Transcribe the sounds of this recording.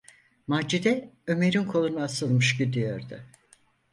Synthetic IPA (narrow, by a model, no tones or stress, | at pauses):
mad͡ʒid̪ɛø̞me̞ɾinkʰo̞lˠunaasɯlˠmɯʃɟid̪ijo̞ɾd̪ʊ̰